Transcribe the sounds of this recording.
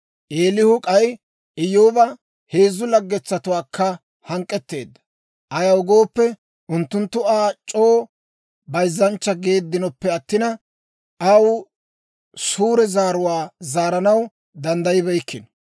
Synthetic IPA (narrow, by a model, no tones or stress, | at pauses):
ʔeːlɪhʊkʼɐj | ɪjːoːbɐ | heːzːʊlɐɡːɛt͡sːɐt̪ʊwaːkʰːɐ | hɐŋkʼːɛt̪ːe̞ːd̪ːɐ̥ | ʔɐjɐwɡo̞ːpːɛ | ʔʊnt̪ːʊnt̪ːʊaːt͡ʃʼo̞ː | bɐjzːɐnt͡ʃːɐɡe̞ːd̪ːɪnɔpːɛɐt̪ːɪnɐ | ʔɐw | suːɾɛzaːɾʊwaːzaːɾɐnɐw | d̪ɐnd̪ɐjɪbɛjkːɪn